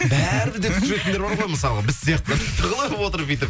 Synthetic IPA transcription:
bæɾɪbɪzd̪et̪ʰʒɾek̪ʲend̪eɾbɑɾʁojməsɑlˠəʁɑbɪzsijɑqt̪əd̪et̪ʰəɾʁəlˠɑjopwo̞t̪əɾpijt̪ɪɾ

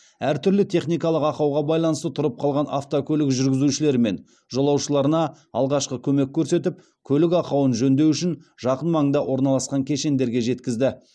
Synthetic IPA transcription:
æɾt̪ʰʏɾlɪt̪ʰe̞χnijkɑlˠəqɑqɑwʁɑbɑjlˠɑnəst̪ət̪ʰʊɾəp̚qʰɑlˠʁɑna̰ft̪okʲʰɵlɪkʒʏɾɡʲɪzuʃɪle̞ɾɪme̞n | ʒo̞lˠɑwʃəlˠɑɾənɑ | ɑ̰lˠʁɑʃqəkʲʰɵme̞kʲʰːɵɾse̞t̪ɪp̚ | kʲʰɵlɪkɑqɑwənʒɵnd̪e̞wʏʃɪnʒɑqənmɑŋənd̪ɑʔwʔo̞ɾnɑlˠɑsqɑŋkʲʰe̞ʃe̞nd̪e̞ɾɡʲe̞ʒe̞t̪kʲɪzd̪ɪ

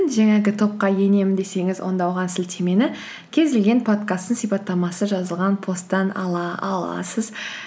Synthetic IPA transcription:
nʒæŋɑɡʲɪt̪ʰo̞p̚qɑje̞ne̞mɪnd̪e̞se̞ŋɪzwo̞̰nd̪ɑwʁɑnsɪlt̪ʰe̞me̞nɪ | kʲʰe̞zɪlɡʲe̞npʰo̞t̪kast̪ːəŋsipɑt̪ːɑmɑsəʒɑzəlˠʁɑnpʰo̞st̪ːɑnɑ̰lˠɑɑlˠɑ̰səz

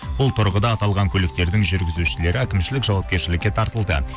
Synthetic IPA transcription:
bʊlˠt̪ʰʊɾʁəd̪ɑːt̪ɑlˠʁɑŋkʲʰɵlɪk̚t̪e̞ɾd̪ɪŋʒʏɾɡʲɪzuʃɪle̞ɾɪækʲɪmʃɪlɪkʒɑwɑp̚kʲe̞ɾʃɪlɪkʲːe̞t̪ʰɑɾt̪əlˠd̪ə̰

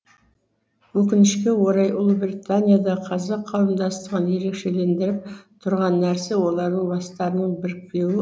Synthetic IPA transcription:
wɵkʲɪnɪʃkʲe̞wo̞ɾɑjʔʊlˠbɾʲit̪anʲijad̪ɑqʰɑzɑqʰːɑwəmd̪ɑst̪əʁənje̞ɾe̞kʃe̞le̞nd̪ɪɾɪp̚t̪ʰʊɾʁɑnːæɾse̞wo̞lˠɑɾd̪əɴbɑst̪ɑɾənəɴbɪɾɪk̚pe̞wɪ

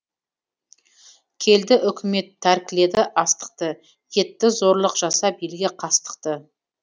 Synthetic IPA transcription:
kʲʰe̞ld̪ɪʔʏkʲɪme̞t̪ʰːæɾkʲɪle̞d̪ɪʔɑst̪ə̥q̚t̪ə | je̞t̪ːɪzo̞ɾlˠəqʒ̥ɑsɑbijlɡʲɪqʰɑst̪ə̥qt̪ə

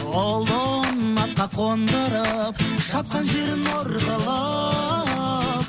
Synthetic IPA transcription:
olˠonmɑt̪̚qɑqʰond̪əɾəpʃɑp̚qɑnʒe̞ɾɪnoɾʁɑlˠɑ | p

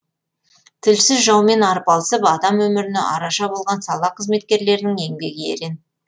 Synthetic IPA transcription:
t̪ʰɪlsɪzʒɑwme̞nɑɾəpɑlˠəsəpɑd̪ɑmwɵmɪɾɪnḛʔɑɾɑʃɑbo̞lˠʁɑnsɑlˠɑqʰəzme̞t̪̚kʲe̞ɾle̞ɾnɪŋe̞ŋbe̞ɡʲɪḛɾe̞n

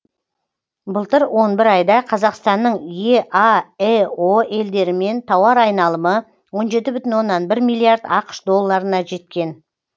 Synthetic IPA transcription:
bʊlˠt̪əɾwʔo̞nbɪɾɑjd̪ɑqʰɑzɑqst̪ɑnːəɴjeʔɑeoe̞ld̪e̞ɾɪme̞nt̪ʰɑwɑɾɑjnɑlˠəmə | wo̞nʒe̞t̪̬ɪbʏt̪ɪnwo̞nːɑnbɪɾmijlˠːijaɾd̪ɑqə̥ʃd̪o̞lˠːɑɾənɑʒe̞t̪̚kʲe̞n

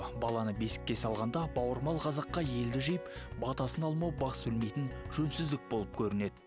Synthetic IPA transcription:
bɑlˠɑnəbe̞sɪ̥kʲːe̞sɑlˠʁɑnd̪ɑbɑwəɾmɑlˠqʰɑzɑqːɑje̞ld̪ɪʒejɪpbɑt̪ɑsənɑlˠmɑwbɑqə̥sbɪlme̞jt̪ɪnʒ̥ɵnsɪzd̪ɪk̚bo̞lˠəp̚kʲʰɵɾɪne̞d̪ɪ

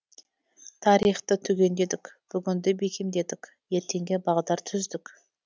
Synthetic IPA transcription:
t̪ʰɑɾijχt̪ət̪ʰɵɡʲe̞nd̪e̞d̪ɪkʲb̥ʏɡʲɪnd̪ɪbe̞kʲemd̪e̞d̪ɪkʲ | je̞ɾt̪ʰe̞ŋɡʲebɑʁd̪ɑɾt̪ʰʏzd̪ɪkʲ

